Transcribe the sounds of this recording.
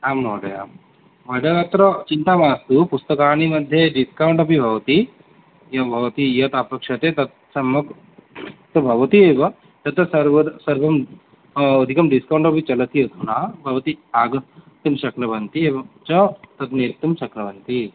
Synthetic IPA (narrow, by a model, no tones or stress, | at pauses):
aːmnoːɖɐja̰ːm | ʋɐɖ̪ɐat̪ɾɐt͡ʃint̪aːmaːst̪upust̪ɐkaːɳ̃imɐd̪ʱːjeɖiskawɳʈɐpibʱɐʋɐt̪i | jɐbʱɐʋɐt̪ijɐt̪aːpɐkʂɐt̪et̪ɐt̪ | sɐmɐk | t̪ɐbʱɐʋɐt̪ieːʋɐ | t̪ɐt̪ɐsɐɾʋɐsɐɾbɐmː | d̪ʱikɐmɖiskawɳʈɐpit͡ʃɐlɐt̪ijɐt̪unaːbʱɐʋɐt̪iaːɡɐt̪ːɐmʃɐknɐbʱɐnt̪ieːʋɐt͡ʃɐt̪ɐt̪neːɾt̪ːɐmʃɐknɐbʱɐnt̪i